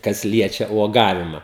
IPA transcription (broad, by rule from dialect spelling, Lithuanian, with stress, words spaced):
kɐs ˈlʲiɛt͡ʃʲɛ uɔˈɡɑːʋʲɪmɐ